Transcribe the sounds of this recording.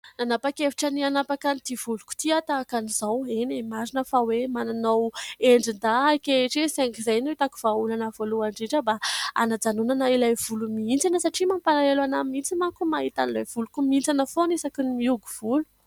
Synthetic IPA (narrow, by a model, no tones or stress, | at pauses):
nanapakefi̥ʈ͡ʂənianapakanid̪iv̥ulukʲu̥t̪iat̪aːkaniz̥awenemaɾinəfawemananaweɳɖ͡ʐind̪aakeʈ͡ʂeseŋkizajnuwet̪aku̥v̥aulanavoluaɳɖ͡ʐiɖ͡ʐəbaa̰nad͡zanunanailajv̥ulumiint͡sanəsaʈ͡ʂimampanalelanamint͡simakumait̪anilajv̥ulukumint͡sanəfonesakinimiuɡuv̥ulu̥